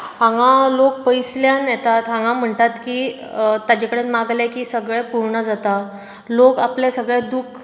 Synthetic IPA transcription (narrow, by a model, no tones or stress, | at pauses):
ɦãŋãlok̚pəjsljanjɛt̪at̪ɦãŋɡãm̤əɳt̪at̪kiː | t̪ad͡ʑekəɽet̪maɡlakiːsəɡɭɛpuɾɳəd͡zat̪a | lokapljasəɡɭɛd̪ukʰ